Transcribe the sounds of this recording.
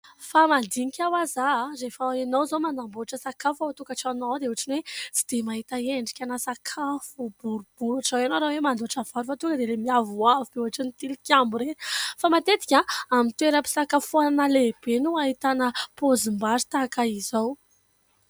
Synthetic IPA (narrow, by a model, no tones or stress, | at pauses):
famand̪iɲikʲawazaɾefainowzomanamboaʈ͡ʂəsakafaat̪ukaʈ͡ʂanod̪euaʈ͡ʂinwet͡si̥d̪̥emaɦit̪aeɳɖ͡ʐi̥kʲanasakʰafub̥uɾub̥uɾaʈ͡ʂawanowɾawemand̪oaʈ͡ʂav̥aɾufat̪uŋkəd̪elemiavuavubeuaʈ͡ʂinit̪ilikʲambuɾenfamat̪et̪i̥kʲaamint̪ueɾəpi̥sakafuananəleb̥enuaɦit̪anəpozimbazi̥t̪akaizow